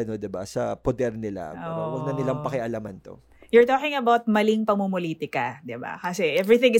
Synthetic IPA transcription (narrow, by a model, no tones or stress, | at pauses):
ɐnod̪ɪbasɐpod̪ɛɾnɪla̰owɐɡ̚nɐnɪlaŋpɐkɪʔɐlamɐnt̪o̞̰ | jʊɹt̪oːkɪŋɐbawt̪̚mɐliŋpɐŋmumoliːt̪ɪkɐd̪ɪba̰kɐsɛʔɛvɹiθɪ̃ŋɪ